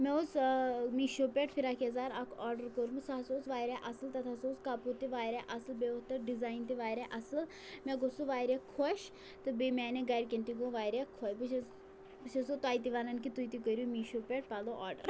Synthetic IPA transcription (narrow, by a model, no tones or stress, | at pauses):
mɛ̃osmiʃoːpeːʈfʰiɾaːkʰiɐzaːɾɐkʰɔːɾɖəɾkoɾumɨsasoːsʋaːɾeʔɐslt̪ɐt̪ʰasoːskaːput̪iʋaːɾeʔɐslbeot̪ɐɾɖizaːint̪iʋaːɾeʔɐsɨl | mɛ̃ɡosuʋaːɾʲekʰoʃ | t̪ɨbemɛːneɡɐɖʲkent̪iɡõʋaːɾekʰojpɨ | pɨt͡ʃʰɐsot̪aːit̪̬iʋaːnɐnkit̪ujt̪ikəɾʲumiːʃoːpʲeʈ̚paːloʔaːɾɖə̰ɾ